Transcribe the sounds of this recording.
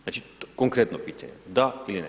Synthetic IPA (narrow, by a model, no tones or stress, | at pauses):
nat͡ʃikoŋkɾet̪nopit͡ɕʲḛɲɛ̰d̪ailinɛ̰